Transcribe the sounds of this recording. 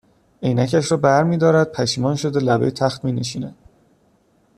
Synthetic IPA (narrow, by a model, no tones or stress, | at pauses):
e̞jnæcʰæʃ̬ɾɒːbæɾmiːd̪ɒːɾæd̪̚pʰæʃiːmɒːnʃod̪elæbḛjt̪ʰæxt̪miːne̞ʃiːnæd̪̥̚